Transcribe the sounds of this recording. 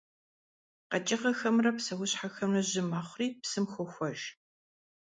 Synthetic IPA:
qɐt͡ʃʼɪqɐxɐmrɐpsɐwʊɕħaxɐmrɐʑɪmaːχʷʊriːpsɨmxʷʊxʷɔʒ

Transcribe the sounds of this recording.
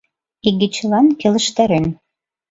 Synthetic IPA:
iɡɘ̆t͡ɕəlɑnkĕlə̆ʃt̪æɾen

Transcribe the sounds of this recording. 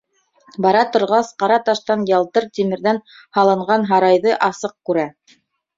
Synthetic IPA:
bɑɾɑt̪ŏɾʁɑsqɑɾɑt̪ɑʃt̪ɑnjɑlˠt̪ɤɾt̪ʲimɘ̆ɾðæn | hɑlˠɤ̆ɴɢɑnɦɑɾɑjðɤʔɑsɤq̚kʉɾæ

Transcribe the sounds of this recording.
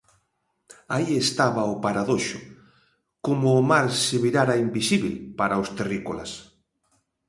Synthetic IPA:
aiest̪aβaʊpaɾaðoʃʊ̰ | komʊːmaɾseβiɾaɾaimbisiβilpaɾaost̪erikola̰s

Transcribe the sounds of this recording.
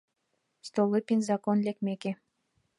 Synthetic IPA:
st̪olˠɨpʲinʲzɑkonlʲekmeke

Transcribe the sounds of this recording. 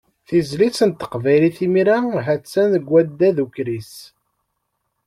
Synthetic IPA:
θizlisənt̪ːə̥qvæjliθimiɾæɦæt͡sːænəɡʷːæd̪ːæðukɾis

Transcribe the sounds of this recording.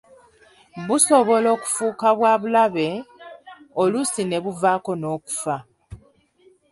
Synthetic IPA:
βuso̞βo̞lo̞ːku̥fuːkaβwaːβulaβe̞ | olusine̞βuvaːko̞no̞ːku̥fa

